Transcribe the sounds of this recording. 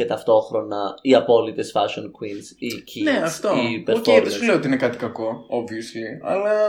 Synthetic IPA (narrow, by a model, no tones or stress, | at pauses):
et̪ɐft̪o̞xɾo̞nɐiɐpo̞lit̪esfɐʃonkwinsicʰineɐft̪oipeofeessuleot̪iinekɐt̪i̥kɐko̞oviosiɐ̰lɐ